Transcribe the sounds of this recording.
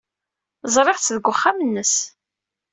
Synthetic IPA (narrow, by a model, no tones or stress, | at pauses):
zˤɾˤeʁt͡sːðəɡʷːʊχːamənːəs